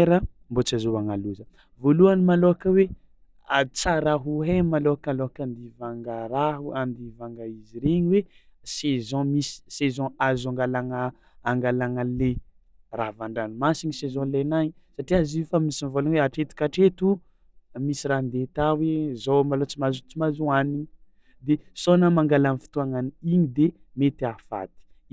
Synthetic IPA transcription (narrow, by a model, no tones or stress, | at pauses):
eɾə | mbot͡sazoaŋaluzə | voluanimaloakəwe | at͡saɾaɦuɦemaloakaloakand̪ivaŋɡaɾaɦuand̪ivaŋɡaiziɾeɲiwesezɔ̃misi̥sezɔ̃azãŋɡalaŋə | aŋɡalaŋale | ravaɳɖ͡ʐanimasiɲisezɔ̃lenaɲsaʈ͡ʂiaziufamisinvolaɲweaʈ͡ʂet̪i̥kʲaʈ͡ʂet̪u | misiɾand̪et̪awezowmalot͡simazut͡simazuaniɲ | d̪esonamãŋɡalanifi̥t̪uaŋaniiɲid̪e | met̪iafa̰t̪i̥